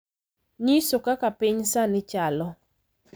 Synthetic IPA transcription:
ɲisokakapɪɲsanɪt͡ʃalɔ

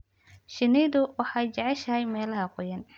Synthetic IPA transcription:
ʃɪnɛjðʊwɑħɑɛjt͡ʃɐʕɛʃɐɦɛjmɛːlɐɦɐqʊjɐn

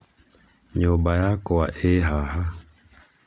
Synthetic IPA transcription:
ɲɔbajakɔwa̰ʔeɦaɦa

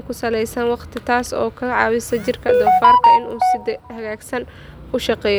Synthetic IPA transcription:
kʰʊsɐlɛjsɐnwɑqt̪ʰɪt̪ʰaːsɔːkʰɐʕɑ̰ːwɪsɐt͡ʃɪrkʰɐd̪ɔfaːrkʰɐɪnuːsɪd̪ɛhɐɣaːɡsɐn | ʊʃɑqɛːjɔ

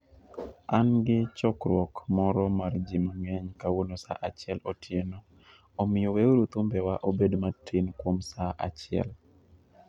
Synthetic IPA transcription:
anɡɪt͡ʃɔkɾwɔkmɔɾɔmard͡ʒimaɲɛɲkawonosa̰ʔat͡ʃɪɛlotʰjenɔ | omɪjoweoɾut̪umbɛwaʔobedmatʰːinkwomsaʔat͡ʃɪɛ̰l

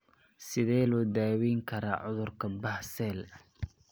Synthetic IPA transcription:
sɪðɛːlɔːd̪aːwiːŋkʰɐɾaːʕʊðʊrkʰɐbɐhsɛːl

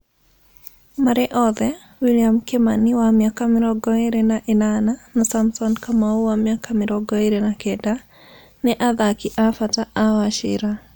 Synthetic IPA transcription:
maɾɛʔɔðɛ | wiliamkɪmanɪwamjakamɪɾɔɡɔeɾenaʔɪnananɔsamsɔnkamauwamjakamɪɾɔɡɔeɾenakɛda | nɛʔaðakɪʔafataʔawaʃɪ̰ɾa

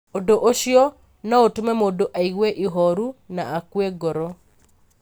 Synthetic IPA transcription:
odoʔoʃjɔ | nɔotmɛmodoʔaiɡweʔiɦɔɾunaakweɡɔɾo

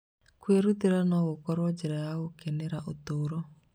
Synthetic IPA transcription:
kweɾuðiɾanɔɣokɔɾɔd͡ʒeɾajaɣokeneɾaʔot̪oɾɔ

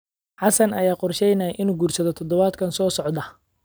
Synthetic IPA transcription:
ħɑsɐnɐjaːqɔrʃɛjnɐːʔɪnuːɡuːrsɐðɔt̪ʰɔd̪ɔβaːd̪kʰɐnsɔːsɔʕd̪ɐ

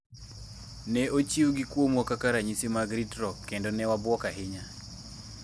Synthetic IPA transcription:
nɛot͡ʃiwɡikwomwɔkakaɾaɲisimaɡɾitɾɔkːendɔnɛwabwɔkaɦɪɲa

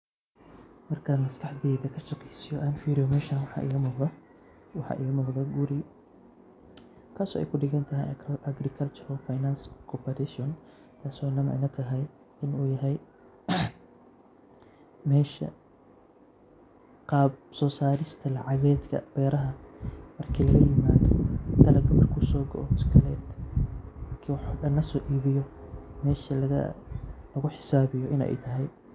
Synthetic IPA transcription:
mɐrkʰɐmɐst̪ʰɐħd̪ɛːðɐkʰɐʃɑqɛjsɪjɔʔaːnfiːɾɪjɔmɛːʃanwɑħɑ̰ʔɪ̰ɣɐmʊqðɐ | wɑħɑ̰ːʔɪ̰ɣɐmʊqd̪ɐɡʊɾɪ | kʰaːsɔ̰ːʔɛ̰jkʰʊɖɪɣɐnt̪ʰɐɦɛj̰ʔɐɡɾɪkʰɐlt͡ʃʊɾɔfajnanskʰɔpʰɐɾɛʃɔn | k̪ʰaːsɔnɐmɛ̰jnɐt̪ʰɐɦɛj | ɪnuːjɐɦɛj | mɛːʃɐ̰ | qɑːbsɔːsaːɾɪst̪ʰɐlɑʕɑɣɛːd̪kʰɐ̰b̥ɛːɾɐɦɐmɐrkʰiːlɐɣɐjɪmaːðɔɡɐlɐɡɐmɐrkʰʊsɔːɡɔ̰ʔɔt̪ʰkʰɐlɛːd̪ | ɐkʰiwħɖɐnɐsɔːʔiːβɪjɔmɛːʃɐlɐ̰lɐɣʊħɪ̥saːβɪjɔʔɪnɛ̰jt̪ʰɐɦɛj

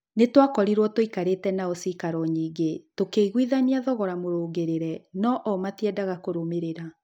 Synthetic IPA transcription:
netwakɔɾiɾwɔtoikaɾetɛnaosiːkaɾɔɲiːɡetokeiɣwiðaniaðɔɣɔɾamoɾoːɡeɾeɾɛnɔʔɔmatɛdaɣakoɾomeɾeɾa

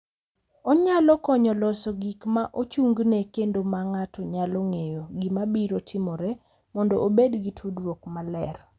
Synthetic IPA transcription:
ɔɲalɔkɔɲɔlɔsɔɡikmaʔot͡ʃuŋɡnekendomaŋatʰɔɲaloŋejoɡimabiɾotʰɪmɔɾe | mɔndɔʔobedɡitʰudɾwokmalɛr

